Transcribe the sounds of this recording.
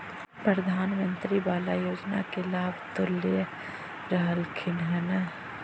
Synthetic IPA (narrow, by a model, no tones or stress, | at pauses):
pɾəd̪ʱaːnmə̃nt̪ɾibaːlajoːd͡ʒna̰kelaːbt̪olːijə | ɾəɦəlkʰɪnɦɛnə